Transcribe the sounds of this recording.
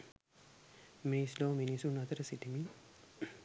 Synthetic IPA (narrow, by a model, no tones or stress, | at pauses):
mesloːminisunɐt̪əɾəsiʈimi